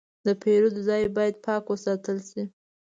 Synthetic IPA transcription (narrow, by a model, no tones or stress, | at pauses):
d̪əpʰeɾud̪əzɑjbɑjad̪̚pʰɑkwəsɑt̪əlsi